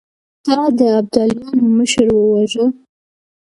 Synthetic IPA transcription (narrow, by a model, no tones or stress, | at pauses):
t̪ɑd̪əab̚d̪aljɑnoməʃəɾwəwaʒə